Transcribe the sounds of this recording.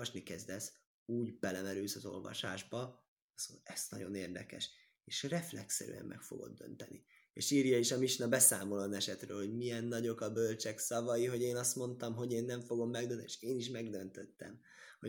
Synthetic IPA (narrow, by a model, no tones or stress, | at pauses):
ɒʃnikɛzd̪ɛs | uːɟbɛlɛmɛɾyːsɒzo̞̰lvɒ̰ʃa̰ːʒbɒ | soɛst̪nɒ̰ɟoneːrd̪ɛkɛ̰ʃ | eːʃrɛflɛksɛ̰ɾy̰ːɛ̰mːʔɛ̰kfo̞̰ɡo̞̰d̪̚ːø̰nt̪ɛnḭ | eːʃiːrjɒiʃɒmiʃnɒbɛsaːmolonɛʃɛt̪rø̰ːlho̞ɟmijɛnːɒɟo̞kɒbølt͡ʃɛksɒvɒjiɦo̞ɟeːnɒst̪mo̞nt̪ɒmɦo̞ɟeːnːɛɱfo̞ɡo̞mːɛɡd̪øneʃeːniʃmɛɡd̪ø̞nt̪øt̪ːɛ̰m | ho